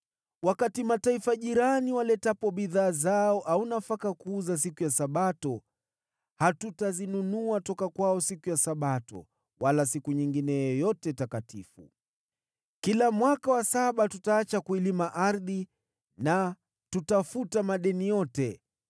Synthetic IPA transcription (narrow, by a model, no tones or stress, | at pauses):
wakatimataifaʄiɾaniwalɛtapɔɓiðaːzaɔʔaunafakakuːzas̬ikujasaɓatɔ | hatutazinunuatɔkakwaɔsikujasaɓatɔ̰ | walasikuɲiŋɡinɛjɛjɔjɔtɛtakatʰifṵ | kilamwakawasaɓatutaːt͡ʃakuilimaʔaɾði | na | tutafutamaɗɛnijɔtɛ